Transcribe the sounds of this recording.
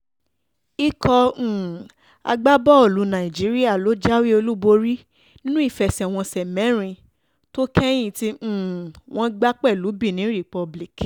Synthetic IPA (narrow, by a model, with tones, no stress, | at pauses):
i˦kɔ̃˧˨ | a̰˧ɡ͡ba˦bɔ˦o˨lu˨˦nã˨ĩ˨d͡ʒi˨˦ɾi˦a˦˨lo˨˦d͡ʒa˦wi˦o˧lu˦bo˧ɾi˦ | nĩ˦nũ˦i˦˨fɛ˧sw̃ɔ̃˧sɛ˨mɛ̃˨˦ɾ̃ĩ˧ | to˦kʰɛ˦j̃ĩ˦˨tĩ˧˦˨w̃ɔ̃˧ɡ͡ba˦k͡pɛ˦˨lu˨˦bi˦˨nĩ˨˦ɾi˨k͡pɔ˧bli˨k